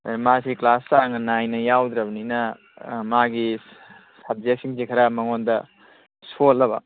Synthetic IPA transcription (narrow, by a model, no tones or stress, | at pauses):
masiklasaŋɐnajnɐjawd̪ɾɐbɐninɐ | maɡi | sab̚ziaksiŋsikʰɐɾamɐŋondɐ | solːɐbɐ̰